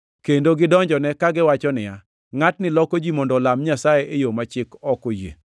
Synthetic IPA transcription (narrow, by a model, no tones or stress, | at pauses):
kendoɡɪdɔɲd͡ʒɔnɛkaɡɪwat͡ʃɔnɪja | ŋatnɪlɔkod͡ʒimɔndɔlamɲasajeʔejomat͡ʃɪkɔkojḛ